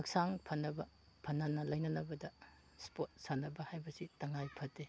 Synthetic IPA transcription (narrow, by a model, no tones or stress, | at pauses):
ɐk̚saŋpʰɐnːɐbɐ | pʰɐnːɐnɐlɐjnɐnɐbɐdɐ | spot̚sanɐbɐhajbɐsitɐŋajpʰɐtːe